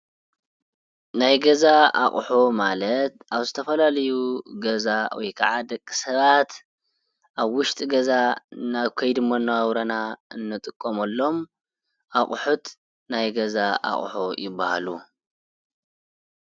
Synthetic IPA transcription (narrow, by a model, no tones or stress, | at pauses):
najɡɐzaa̰χʼħomalɐt̪aβzɨt̪ʰɐfɐlalɐjuɡɐzawɔ̰jkʰaʕad̪ɐkʼːi̥sɐβat̪ | ʔaβwʊʃt̪ʼiɡɐzanaβkʰɐjd̪ɨmonːawawɾɐnaɨnːɨt̪ʼɨkʼːomɐlːo̞m | ʔaχʼħut̪ | najɡɐzaʔa̰χʼħojɪbːaha̰lu